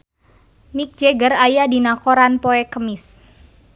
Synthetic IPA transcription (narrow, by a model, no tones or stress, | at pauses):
mik̚d͡ʒeɡərajadinakoɾanpoɛkəmɪs